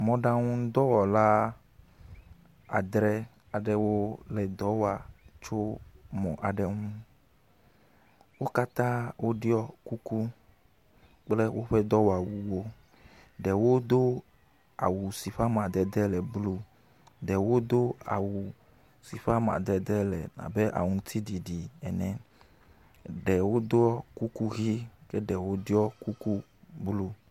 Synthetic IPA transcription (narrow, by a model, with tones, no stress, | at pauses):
mɔ̃˨ɖa˦ŋũ˦d̪ɔ˦wɔ˨la˦ | a̰˨d̪ɾɛ˦ | a˨ɖɛ˦wo˦lɛ˨d̪ɔ˨˦wa˨t͡ʃo˦mɔ̃˨ʔa˨ɖɛ˦ŋũ˦ | wo˦ka˦t̪ã˦wʔo˦ɖi˦ɔ˦ku˦ku˦ | k͡ple˦wʔo˦ɸɛ˦d̪ɔ˦wa˨wu˨wo˦ | ɖɛ˨wo˦d̪o˦ | a̰˨wu˨si˨ɸa˦m˨a˨d̪ɛ˨d̪ɛ˦lɛ˨blu˦ | ɖɛ˨wo˦d̪o˦a̰˨wu˨ | si˨ɸa˦m˨a̰˨d̪ɛ˨d̪ɛ˦lɛ̰˨nã̰˨be˦ʔa̰˨ŋũ˨˦t̪ʰi˦di˨ɖi˨ɛ˨nɛ̃˨ | ɖɛ˨wo˦d̪o˦ɔ˦ku˦ku˦ɣi˦kɛ˦ɖɛ˨wo˦ɖi˦ɔ˦ku˦ku˦ | blu˦